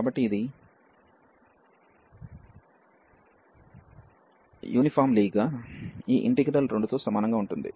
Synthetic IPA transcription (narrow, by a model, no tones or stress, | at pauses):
kaːbɐʈːiːd̪i | jʔṵːnipʰaːɾmliːɡɡaːiːʔḭɳʈiɡɾɐlɾe̞ɳɖut̪o̞ːsɐmaːnɐŋɡaːuɳʈund̪ḭ